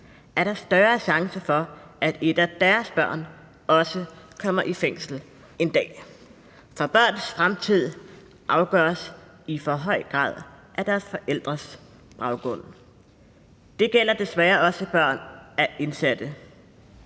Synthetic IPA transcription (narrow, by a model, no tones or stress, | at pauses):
æɐɾɑ̈sd̥ɶːɐɕɑ̈ŋsɐfɒ̽ʔæd̥e̝d̥æd̥æɐsb̥ɶɐ̰n | ɒ̽səkʰɒ̽m̰ɐʔifeŋ̰sl̩ | e̝nd̥ɛ̰ː | fɒ̽b̥ɶɐ̰nsfʁamt͡sʰið̰ˠ | ʔɑ̈ʊɡ̥ɶɐs | ifɒ̽ɦɒ̽ɪ̰ɡ̥ʁɑ̰̈ːð̞ˠʔæd̥æɐsfɒ̽ʔel̰d̥ʁɐs | b̥ʁɑ̈ʊɡ̥ɔ̽n̰ | d̥e̝ɡ̥el̰ɐd̥e̝sʋæːɐɒ̽səb̥ɶɐ̰næʔe̝nsæd̥ə